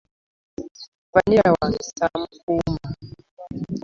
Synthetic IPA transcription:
vaniawasam̩kuma

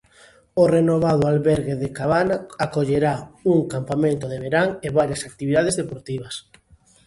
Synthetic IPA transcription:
ʊrenoβaðʊalβɛɾɣeðɪkaβanaakoʎeɾauŋkampamẽnt̪oðeβeɾaŋeβaɾjasak̚t̪iβiðaðezðepoɾt̪iβɐs

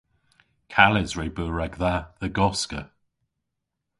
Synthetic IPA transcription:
kʰalɪzɹeːbəɹɛɡðaðəɡɔskə̰

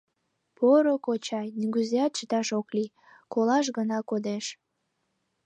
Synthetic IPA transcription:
poɾokot͡ɕɑjnyɡyzeɑt̪̚t͡ɕət̪ɑʃokli | kolɑʃ̬ɣənɑkod̪eʃ

